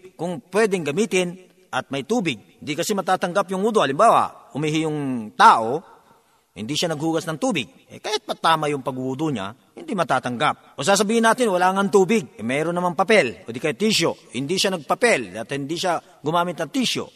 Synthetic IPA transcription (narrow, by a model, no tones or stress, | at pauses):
kʊŋpwɛːd̪ɛŋɡɐmiːt̪ɪn | ʔɐt̪̚mɐjt̪uːbɪɡ̚hɪnd̪ɪkɐsɪmɐt̪aːt̪ɐŋɡapjʊŋuːd̪oɐlɪmbaːwa̰ʊmɪɦɪjʊŋt̪aːʔo | hɪ̰nd̪iʃanɐɡ̚huːɡɐsnɐŋt̪uːbɪɡ̚ʔɛ̰kaːhɪt̪̚pɐt̪aːmajʊŋpɐɡʊʔuːd̪oɲa̰ | hɪnd̪imɐt̪aːt̪ɐŋɡap̚ʔos̬aːs̬ɐbiːhɪnaːt̪ɪnwɐlaːŋaŋt̪uːbɪɡ̚ɛmɛːɾonːɐmaŋpɐpɛlʔod̪ɪkɐjt̪iʃjohɪnd̪iʃanɐɡ̚pɐpɛld̪at̪ɐhɪnd̪iʃa | ɡʊmaːmɪt̪nɐt̪iʃjo̰